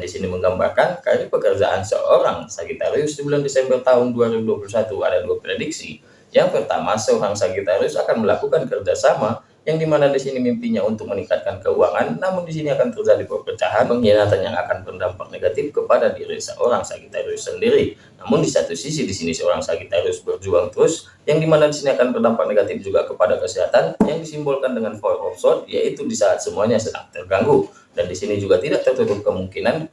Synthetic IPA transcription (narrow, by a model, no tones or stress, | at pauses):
disiniməŋɡamba̰rkankaɾipəkərd͡ʒa̰ʔa̰nsə̰ʔoɾaŋsakit̪aɾiʊsdəbulandesɛmbərt̪aɦʊnduaɾibuduapulusat̪ua̰daduaprediksḭ | jaŋpərt̪a̰masəoɾaŋsaɡit̪aɾiʊsakanməlakukankərd͡ʒasama | jaŋdimanadisinimimpiɲaunt̪ʊk̚mənikat̪̚kankəuaŋanːamʊndis̬iniakant̪ərd͡ʒadipərpət͡ʃaɦanpəŋinat̪anjaŋa̰kanpərdampak̚neɡat̪ɪfkəpadadiɾḭsə̰ʔoɾaŋsa̰kit̪aɾiʊsːəndiɾi | namʊndisat̪usisidisinisəoɾa̰ŋsakit̪aɾiʊsbərd͡ʒuaŋt̪ɾʊs | jaŋdimanadisiniakanbərdampak̚neɡat̪ɪfd͡ʒuɡakəpadakəsiɦat̪anjaŋdisimbɔlkandəŋanfɔrɔksɔt̪̚ja̰it̪udisaːt̪̚səmuaɲasət̪a̰t̪ərɡaŋɡu | dandisinid͡ʒuɡat̪idaʔ̚t̪ərt̪ut̪ʊp̚kəmuŋkinan